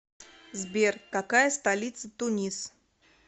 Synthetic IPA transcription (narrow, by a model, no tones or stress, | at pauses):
zbʲerkɐkajəst̪ɐlʲit̪sət̪ʊnʲis